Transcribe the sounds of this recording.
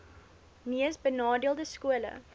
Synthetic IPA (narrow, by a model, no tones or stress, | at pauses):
miəsbənɑːdiəlˠdəskuələ̰